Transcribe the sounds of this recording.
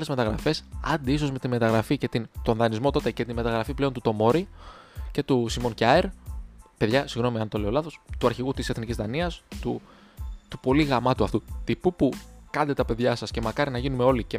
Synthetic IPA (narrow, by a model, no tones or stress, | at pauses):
le̞zme̞t̪ɐɣɾɐfe̞sɐnd̪iiso̞zme̞t̪ime̞t̪ɐɣɾɐfice̞t̪int̪o̞nðɐnizmo̞t̪ot̪e̞ce̞t̪inme̞t̪ɐɣɾɐfipleo̞nt̪ut̪o̞mo̞ɾi | ce̞t̪usimo̞ncɐeɾpe̞ðʝɐsiɣno̞miɐnt̪o̞le̞o̞lɐθo̞st̪uɐɾçiɣut̪iseθnicizðɐniɐst̪u | t̪upo̞liɣɐmɐt̪uɐft̪ut̪ipupukɐnd̪e̞t̪ɐpe̞ðʝɐsɐsce̞mɐkɐɾinɐʝinumeo̞lice